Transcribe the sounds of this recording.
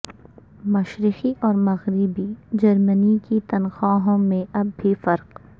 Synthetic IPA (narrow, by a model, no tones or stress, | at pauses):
mɐʃɾɪxiʔɔːɾmɐɣɾɪbid͡ʒɐɾmənikit̪ɐnxaːɦõmẽʔɐbːʱifɐɾq